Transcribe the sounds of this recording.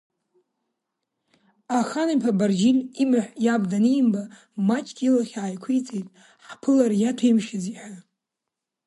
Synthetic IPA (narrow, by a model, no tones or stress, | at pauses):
aχanapʰabard͡ʒinimaħʷjabdanimba | mat͡ʃʼkʲʼilaχʲaːjkʷʰijt͡sʼejtʼ | ħpʰɨlaɾjatʰaimʃɪd͡ziħʷa